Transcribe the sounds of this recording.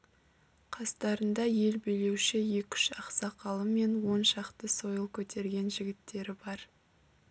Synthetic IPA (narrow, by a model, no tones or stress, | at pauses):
qʰɑst̪ɑɾənd̪ɑje̞lbijle̞wʃɪje̞kʲʰʏ̥ʃɑqsɑqʰɑlˠəme̞nwo̞nʃɑqt̪əso̞jəlˠkʲʰɵt̪ʰe̞ɾɡʲe̞nʒɪɡʲɪt̪ːe̞ɾɪbɑɾ